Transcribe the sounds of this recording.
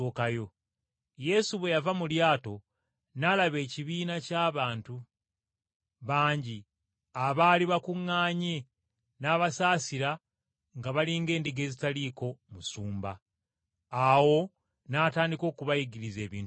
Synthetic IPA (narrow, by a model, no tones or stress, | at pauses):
oːkajo̞ | je̞suβwe̞javamuljaːto̞ | nalaβe̞ːciβiːnacaːβaːntu | βaːɲɟi | aβaːliβakuŋːaːɲe̞ | naːβasaːsiɾa | ŋɡaβaliːŋɡe̞ːndiɡe̞ːzitaliːko̞musuːmba̰ː | wo̞ | naːtaːndiko̞ːkuβajiɡiɾize̞ːβḭːn